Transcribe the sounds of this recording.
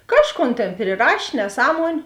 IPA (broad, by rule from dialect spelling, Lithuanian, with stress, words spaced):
ˈkɑːʃˌkoːn ˈtʲeːn pʲrʲɪˈrɐʃʲ nʲɛˈsɑːmuɔnʲʊ